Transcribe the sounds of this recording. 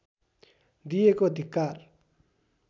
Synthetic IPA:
d̪ijekod̪ʱikːar

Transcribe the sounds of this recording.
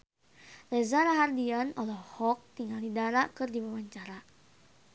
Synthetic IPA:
lɛzaɾaɦardianɔlɔhɔk̚t̪iŋalidaɾakɨrdibawaɲt͡ʃaɾa

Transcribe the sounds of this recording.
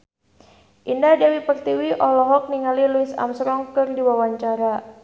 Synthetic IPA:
ʔindadɛwipərt̪iwiʔɔlɔɦɔk̚niŋaliluisa̰msɾɔŋkɨrdiwawaɲt͡ʃaɾa

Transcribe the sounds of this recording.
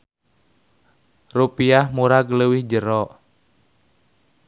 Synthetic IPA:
rupiahmuɾaɡləwihd͡ʒəɾɔʔ

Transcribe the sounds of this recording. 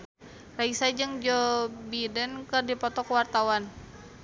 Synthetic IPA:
raisad͡ʒəŋd͡ʒɔbidənkərdipɔt̪ɔkəwart̪awan

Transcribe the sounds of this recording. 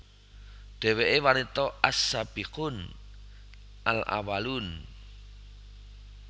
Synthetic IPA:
ɖ̪̥ɛ̤weʔewanit̪ɔasab̥iqʊn | a̰la̰walun

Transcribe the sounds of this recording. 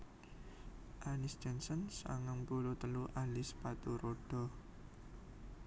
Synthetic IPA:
ʔanɪsd͡ʒɔnsɔnsa̰ŋaŋpulot̪əluʔalɪspat̪uɾoɖ̥ɔ

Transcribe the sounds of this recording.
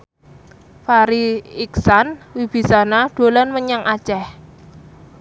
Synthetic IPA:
faɾiiksanwib̥i̤sanaɖ̪̥o̤lɔnməɲaŋʔḁt͡ʃɛh

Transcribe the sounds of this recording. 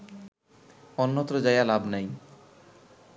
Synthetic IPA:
ɔnːot̪ɾod͡ʑajalabnaj

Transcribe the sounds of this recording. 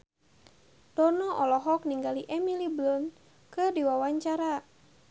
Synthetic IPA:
d̥ɔnɔʔɔlɔɦɔkniŋɡaliʔɛmiliblɔn | kɨrdiwawaɲt͡ʃaɾa

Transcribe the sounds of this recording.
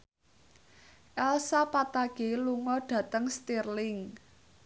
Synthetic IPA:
ʔɛlsapat̪aɡ̥e̤luŋɔɖ̥ä̤t̪əŋst̪irlɪŋ

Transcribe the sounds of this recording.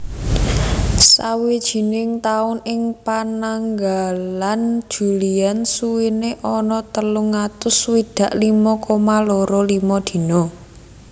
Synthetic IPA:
sa̰wid̥ʒ̥i̤nɪŋt̪aʊnɪŋpanaŋɡaland̥ʒ̥ṳliansuwineʔɔnɔt̪əlʊŋat̪ʊswid̪̥ä̤ʔlimɔkɔmaloɾɔlimɔd̪̥i̤nɔ

